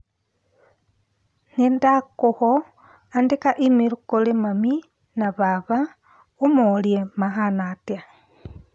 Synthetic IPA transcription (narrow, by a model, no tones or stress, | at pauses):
nindakuho | andikaʔimiɾukulimami | naβaβa | umoljemaxanatja